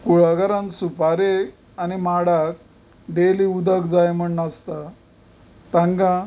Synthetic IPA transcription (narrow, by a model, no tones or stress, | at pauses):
kuɭaɡaɾãnsupaɾe | animaɽak̚ | ɖeliud̪əkd͡zajm̤əɳnast̪a | t̪ãŋɡã